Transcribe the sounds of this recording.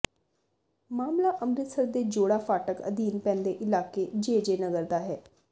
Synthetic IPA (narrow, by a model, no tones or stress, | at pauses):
maːmlaːʔəmɾɪt̪səɾd̪eːd͡ʒoːɽaːfaːʈəkə̰d̪iːnpɛ̃ːnd̪eːʔɪlaːkeːd͡ʒeːd͡ʒeːnəɡəɾd̪aːɦɛː